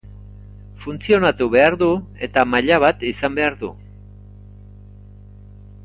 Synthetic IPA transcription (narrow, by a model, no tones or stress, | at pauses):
funt͡sio̞nat̪uβe̞aɾðue̞t̪amaʎaβ̞at̪isambe̞aɾðṵ